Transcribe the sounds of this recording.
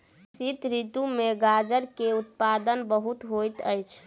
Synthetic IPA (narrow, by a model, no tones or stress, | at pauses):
sit̪ɾit̪umeɡad͡ʒəɾkeut̪̚pad̪ənbəɦut̪ɦojt̪əjt͡ʃʰ